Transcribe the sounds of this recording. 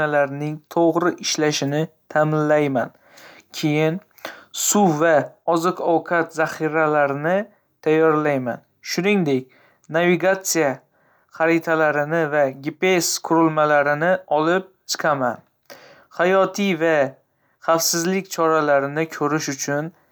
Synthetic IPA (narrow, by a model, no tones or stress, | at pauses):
alaɾnɪŋt̪ʰoʁɾɪʔɪʃlaʃɪnɪ | t̪ʰamɪnlajman | kʲʰejɪn | suvaɒzɨqɒwkʰat̪zaχiɾalaɾɪnɪ | t̪ʰajːɒɾlajma̰n | ʃʊnɪŋd̪ek̚ʲ | naviɡat̪sija | χaɾit̪ʰalaɾɪnɪvaɡʲepeskʰʊɾɪlmalaɾɪnɪɒlɪp̚t͡ʃʰɨ̥qʰama̰n | χajɒt̪ʰijva | χafsɪzlɪkʲt͡ʃʰɒɾalaɾɪnɪkʲʰɵɾɪʃʊt͡ʃʰʊn